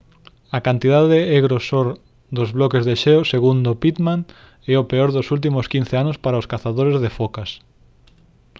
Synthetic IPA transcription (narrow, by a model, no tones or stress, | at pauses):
ɐkant̪iðaðeeɣɾosoɾ | d̪ozβlɔkezðeʃeoseɣund̪opit̪maŋ | ɛopeoɾðosult̪̬imʊskin̟θeanospaɾaoskaθaðoɾezðefokas